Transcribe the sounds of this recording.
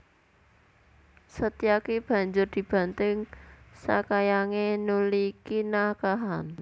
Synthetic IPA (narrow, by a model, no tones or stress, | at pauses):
sət̪iakeb̥a̤ɲd͡ʒʊrd̪̥i̤b̥a̤nt̪ɪŋsa̰kajaŋenulikinakaɦan